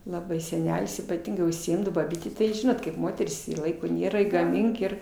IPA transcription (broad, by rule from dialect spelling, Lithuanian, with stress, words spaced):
lˠɐˈbɐɪ sʲɛˈnʲæːlʲɪs iːpɐˈtʲɪŋɡɐɪ ʊʃʲsʲɪˈɪmdɐoː bɐˈbʲiːtʲeː tɐɪ ˈʒʲɪnoːt kɐɪp ˈmoːtʲɛrʲiːs ɪ ˈlˠɐɪkoː ˈnʲeːrɐ ɪ ɡɐˈmʲɪŋk ɪr